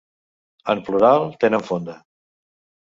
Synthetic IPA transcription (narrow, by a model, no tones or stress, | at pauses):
əmpluɾalˠt̪enəɱfond̪ə